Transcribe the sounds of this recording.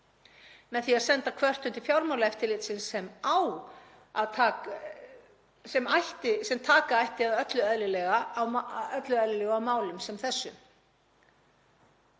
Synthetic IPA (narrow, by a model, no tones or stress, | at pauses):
mɛðθiaðsɛnt̪akʰvœr̥t̪ʏnt̪ɪ̥fjawɾmawlaɛft̪ɪɾlɪt̪sɪnsɛmaw | aðt̪ʰaː | sɛmajht̪ɪsɛmt̪ʰaːkaajht̪ɪaðœt̪lʏœðlɪlɛɣaːwœt̪lʏœðlɪlɛɣawmaːwlʏmsɛmθɛsːʏ̰